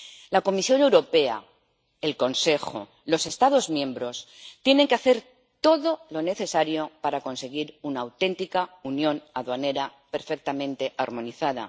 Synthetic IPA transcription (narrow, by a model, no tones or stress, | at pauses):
lako̞misjo̞ne̞wɾo̞pe̞a̰ | elko̞nse̞xo̞̰ | lo̞se̞st̪aðo̞zmjẽ̞mbɾo̞s | t̪je̞ne̞ŋkeaθe̞ɾ | t̪o̞ðo̞lo̞ne̞θe̞saɾjo̞paɾako̞nse̞ɣ̞iɾunaːwt̪e̞nt̪ikaunjo̞naðwane̞ɾape̞ɾfe̞k̚t̪amẽ̞nt̪e̞ʔaɾmõ̞niθaða̰